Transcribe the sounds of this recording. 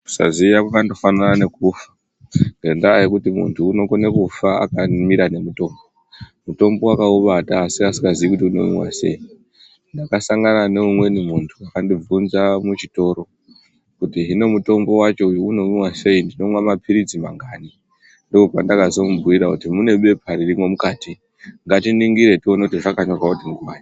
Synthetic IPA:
u̥sa̰ziakwakandofananane̞kufḁ | ŋɡe̞ndaːjikutimṵntʰuːno̞kone̞kufaa̰kamiɾane̞muto̞ːmbo | muto̞mbo̞wakauʋataːsiasi̥kɡaziikutiuno̞̰mḭwa̰se̞̰i | ndakasaŋɡanane̞umwe̞nimuntʰuwakandib͡vunzamut͡ʃito̞ːɾo̞ | kutiɦino̞muto̞mbo̞wat͡ʃo̞ujuuno̞minwase̞indino̞mwamapʰiɾid͡zima̰ŋɡaːni | ndokopandakazo̞mubuiɾakutimune̞ɓe̞pʰaɾirimwo̞mukaːti | ŋɡatiniŋɡiɾe̞tionotiʐakaɲorwautimuɡuwa̰ːni

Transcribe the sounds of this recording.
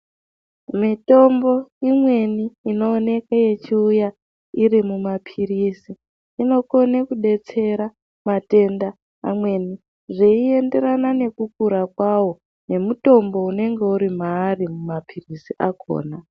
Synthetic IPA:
mito̞mbo̞imwe̞niːno̞ːne̞kaje̞t͡ʃiuja | iɾimumapʰirisiː | no̞ko̞nekuɗe̞t͡se̞ɾa | mate̞nda̰ː | mwe̞ni | ʐeie̞nde̞ɾanane̞kukuɾakwawo̞ | ne̞muto̞mbo̞une̞ŋɡeuɾimaːrimumapʰirisiʔakʰo̰ːna

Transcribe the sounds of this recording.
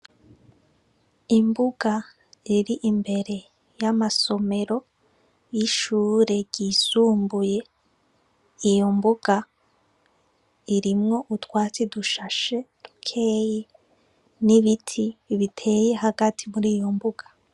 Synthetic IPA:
imbuɡa | iɾiʔimbe̞ɾe̞ | jamaso̞me̞ɾo̞ | jiʃuːɾe̞ɟ̥iːsuːmbuje̞ | ijo̞mbuɡ̥a | iɾimŋo̞ʔutwaːt͡siduʃaʃe̞d̥ukʰe̞ːje | niβitʰiβitʰe̞ːje̞ɦaɡatʰimuɾiːjo̞mbuɡ̥ḁ

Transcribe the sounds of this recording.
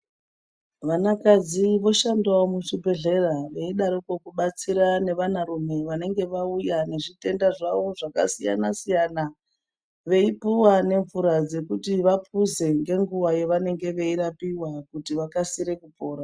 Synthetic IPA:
ʋanakad͡ziʋo̞ʃandaomuʃibʱe̞ɮe̞raʋe̞iɗaɾikokuɓat͡siɾane̞ʋanarume̞ʋane̞ŋɡe̞ʋaujane̞ʐite̞ndaʐaʋo̞ʐaka̰sija̰nasijana | ʋe̞ipuwane̞ɱvuɾad͡ze̞kutiʋapuze̞ŋɡe̞ŋɡuwajeʋane̞ŋɡe̞ʋe̞iɾapiwakutiʋakasiɾe̞kupo̞ːɾa

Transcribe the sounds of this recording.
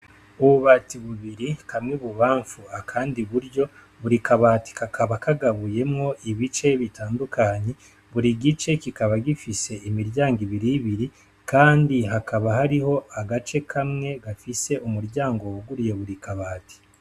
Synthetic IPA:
uβuβatiβuβiɾikʰamŋiβuβaːɱfuakʰaːndiβuɾɟo̞ | βuɾikʰaβaːti̥kakʰaβakʰaɡaβuje̞mŋo̞ʔiβit͡ʃe̞βitaːndukʰaɲe̞ | βuɾiɡit͡ʃe̞kikaβaɡifise̞imiɾjaːŋɡiβiɾiːβiɾi | kaːndiɦakaβahaɾiho̞aɡat͡ʃe̞kʰamŋe̞ɡafise̞ʔumuɾjaːŋɡo̞uɡuɾije̞βuɾikaβaːti̥

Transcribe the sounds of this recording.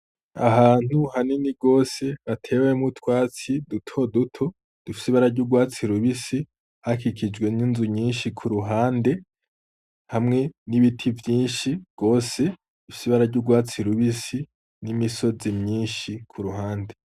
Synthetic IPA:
a̰ɦaːn̥uhaniniɡo̞ːse̞βatʰe̞ːwemŋutwaːt͡sidutʰo̞dutʰo̞ | d̥ufi̥siβaɾaɾɟuɡwaːt͡siɾuβisi | hakikid͡ʒɡwe̞ninzuɲiːnʃikʰuɾuɦaːnde̞ | hamŋe̞niβitʰivjiːnʃiɡ̥o̞ːse̞ | d̥ufi̥siβaɾaɾɟuɡwaːt͡siɾuβisi | nimiso̞zimɲiːnʃikʰuɾuɦaːnde̞

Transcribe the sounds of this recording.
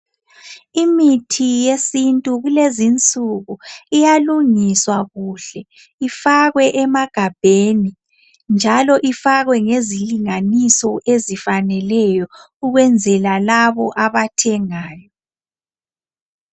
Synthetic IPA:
imitʰijesintʼuɣulezint͡sʼuɣuijaluŋiswaɣuːɬɛ | ifaɣwɛʔɛmaɡ̥ʱab̥ʱeːni | nd͡ʒʱalɔʔifaɣwɛŋeziliŋanisɔʔezifanɛlɛjɔ | uɣwɛnd͡zʱɛlalaβɔʔaβatʰɛŋaːjɔ

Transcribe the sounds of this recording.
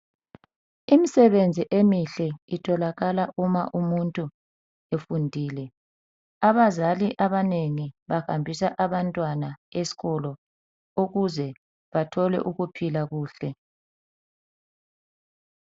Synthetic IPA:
imisɛβend͡zʱiʔemiɬɛitʰɔlaɣalaʔuma̰ʔumuntʼu | efundʱiːlɛ | aβazaliʔaβaneŋiβahambʱisaʔaβantʼwanaesi̥ɣɔlɔ | uɣuzɛ | βatʰɔlɛ̰ʔuɣupʰilaɣuːɬɛ

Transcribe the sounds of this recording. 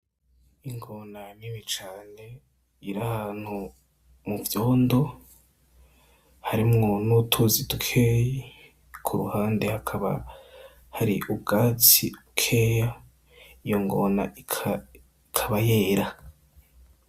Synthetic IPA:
iŋɡo̞nanimit͡ʃaːne̞ | iɾahaːn̥hu | muvjoːndo̞ | haɾimŋo̞nutʰuzitukʰeji | kʰuɾuhaːnde̞hakʰaβa̰ | haɾiʔubɡaːt͡siukʰeːja | ijo̞ŋɡo̞na̰ikʰa | ikʰaβajeːɾa

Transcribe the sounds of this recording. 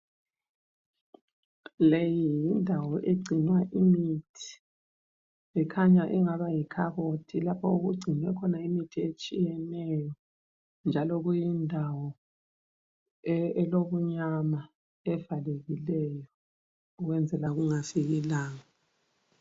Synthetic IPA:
lejijindʱawɔʔeɡ͡ǀʱinwaʔimitʰi̥ | ɛkʰaɲaʔiŋaβajikʰaɣotʰilapʰɔuɣuɡ͡ǀʱinwɛkʰɔnaimitʰiet͡ʃʼijɛnɛjɔ | nd͡ʒʱalɔɣujindʱawɔ | ɛloβuɲama | ɛvaleɣilɛjɔ | uɣwɛnd͡zʱɛlaɣuŋafiɣilaːŋa

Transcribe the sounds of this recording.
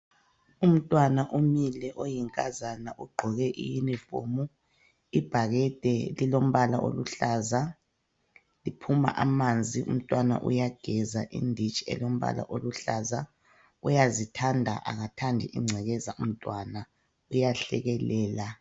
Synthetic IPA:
um̩tʼwanaʔumilɛʔojiŋkʼazanaʔuɡ͡ǃʱɔɣɛʔḭjinifo̰ːmu | ib̥ʱaɣɛtʼɛlilom̩βalaʔo̰luɬaːza | lipʰuma̰ʔamand͡zʱiṵm̩tʼwana̰ʔṵjaɡ̥ʱɛzaʔḭndʱit͡ʃʼiɛ̰lom̩βa̰la̰ʔoluɬaza | ujazitʰandʱa̰ʔa̰ɣatʰandʱiʔiŋ͡ǀʱɛɣɛzaum̩tʼwana | ujaɬɛɣɛlɛːla

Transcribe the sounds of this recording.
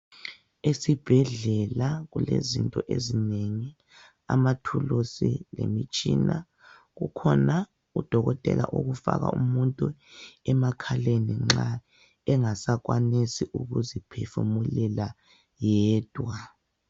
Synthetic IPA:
esib̥ʱɛɮɛlaɣulezintʼɔʔezineŋi | a̰matʰulusilḛmit͡ʃʼina | ɣukʰɔna | ud̥ʱɔɣɔtʼɛla̰ʔoɣufa̰ɣa̰umuntʼuɛmakʰaleniŋ͡ǁa | ɛŋasaɣwanisiʔuɣuzipʰefumulɛla | jɛːd̥ʱwa

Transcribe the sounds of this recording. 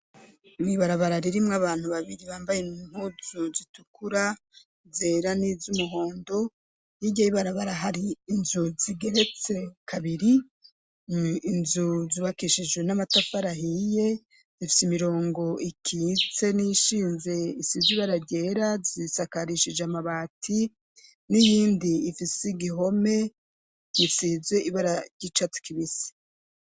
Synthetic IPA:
niβaɾaβaɾaɾiɾimŋaβaːn̥huβaβiɾiβaːmbajem̥huzuzitukʰuɾa | zeːɾanizumuɦo̞ːndo̞ | niɟahiβaɾaβaɾaɦaɾiːnzuziɡe̞ɾe̞t͡se̞kʰaβiɾi | inzuziβakiʃid͡ʒɡwe̞namatafaɾaɦije̞ | zifi̥simiɾo̞ːŋɡo̞ikʰiːt͡se̞niʃiːnze̞isiziβaɾaɟe̞ːɾazisakaɾiʃiʒeamaβaːtʰi | nijiːndiːfisiɡiɦo̞me̞ | jisiːzeʔiβaɾaɟit͡ʃatu̥kiβisi̥

